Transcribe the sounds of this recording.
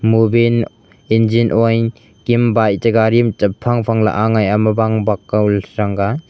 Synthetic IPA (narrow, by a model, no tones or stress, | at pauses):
mubin | end͡ʒinʔɔjn | kimbajtaɡaɾimtapʰaŋpʰaŋla̰ʔaŋajamɐbaŋbakːawlɾaŋɡa